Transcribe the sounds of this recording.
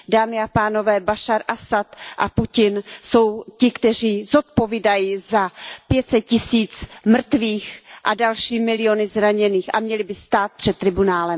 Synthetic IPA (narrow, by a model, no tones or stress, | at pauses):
daːmɪapaːno̞vɛːbaʃaɾʔasat̪ʔapucɪnso̞wcɪkt̪ɛr̝iːzot̪̚po̞viːdajizapjɛt̪sɛt̪̚cɪsiːt͡smr̩t̪viːxʔadalʃiːmɪlɪjonɪzɾaɲɛniːxʔa̰mɲɛlɪbɪst̪aːt̪̚pr̝̥ɛt̪̚t̪ːɾɪbunaːlɛm